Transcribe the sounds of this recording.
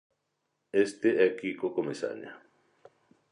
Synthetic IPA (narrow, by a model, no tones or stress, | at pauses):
est̪eakikokomisa̰ɲa̰